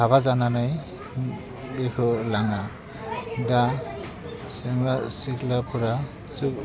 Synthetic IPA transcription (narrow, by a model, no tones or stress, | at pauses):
aβazananaj | bikɔlaŋa | da | sɛŋlasiklapʰuɾa | su